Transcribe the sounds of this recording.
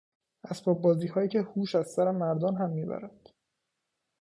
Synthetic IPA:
ʔæsbɒːbːɒːziːhɒːjiːcʰehuːʃæzsæɾemæɾd̪ɒːnɦæmːiːbæ̰ɾæd̪̥

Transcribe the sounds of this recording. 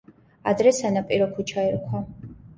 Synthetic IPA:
a̰d̪ɾɛsanapʼiɾɔkʰut͡ʃʰaɛɾkʷʰwa

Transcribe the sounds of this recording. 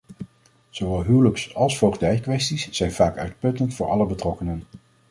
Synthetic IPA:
z̥oʋɛlˠɦywləksɑlˠsfowχdɛjkʋɛstisːɛjnv̥aːkœ̰ɥt̚pɵtəntfʊːɹʔɑ̰ləbətrɔkənən

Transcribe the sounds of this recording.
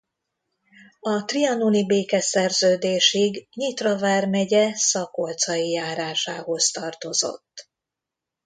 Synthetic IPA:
ɒt̪riɒnulibeːkɛsɛrzøːd̪eːʃiɡɲit̪rɒvaːrmɛɟɛsɒkolt̪sɒjijaːɾaːʃaːho̞st̪ɒrt̪o̞zo̞̰t̪ː

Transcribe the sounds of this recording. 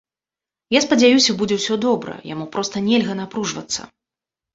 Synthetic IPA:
jaspɐd͡zʲajusʲɐbud͡zʲɛwsʲɔd̪ɔbɾɐ̰ja̰mupɾɔst̪ɐnʲɛlʲɣɐnapɾuʐvɐ̰t̪sːɐ̰

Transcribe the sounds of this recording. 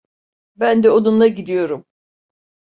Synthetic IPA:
bænd̪ɛod̪unlˠaɟid̪ijo̞ɾum

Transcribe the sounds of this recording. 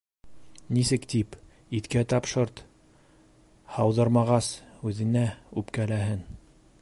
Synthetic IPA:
nisɘkt̪ip | it̪kæt̪ɑpʃɤɾt̪ | hɑwðɤɾmɑʁɑsʉðɘ̆næʉpkælæɦɘn

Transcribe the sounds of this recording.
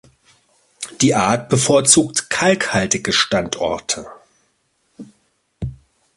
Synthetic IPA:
d̥iːʔaːɐt̚b̥əfoːɐt͡suːk̚tkʰalkhaltɪɡəʃtantʔɔ̰ɐtʰə

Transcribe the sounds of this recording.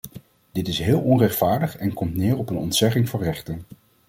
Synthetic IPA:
d̥ɪtɪsɦɪːlˠɔnrɛχtfaːɹdəχɛnkɔmtnɪːɹɔpənɔ̰ntsɛχɪŋvʊrɛχtən

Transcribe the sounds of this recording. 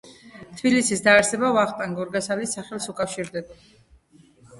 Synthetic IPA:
t̪ʰb̥ilisisd̪aːɾsɛbavaχt̪ʼaŋɡɔɾɡasalisaχɛlˠsukʼafʃiɾd̪ɛba

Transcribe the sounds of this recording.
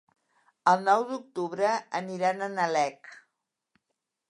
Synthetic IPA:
əlˠnɔwd̪uk̚t̪uβɾəəniɾanənəlɛk

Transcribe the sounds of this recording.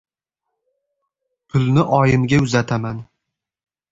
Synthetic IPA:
pʰʊlnɪʔɒjɪmɡʲaʊzat̪ʰaman

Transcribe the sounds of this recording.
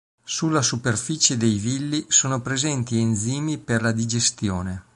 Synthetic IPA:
sulːasuperfit͡ʃed̪ejvilːisoːnopɾezɛnt̪iend̪ziːmiperlad̪id͡ʒest̪joːne

